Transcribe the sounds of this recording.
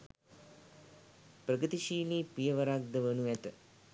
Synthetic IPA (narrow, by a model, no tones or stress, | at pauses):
pɾɐɡət̪iʃiːliːpijɐʋɐɾaɡ̚d̪əʋənuɛt̪ə